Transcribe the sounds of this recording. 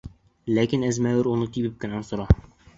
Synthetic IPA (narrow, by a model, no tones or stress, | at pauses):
lækinæzmæwɘɾunɤt̪ibɘp̚kɘ̆nænsŏɾɑ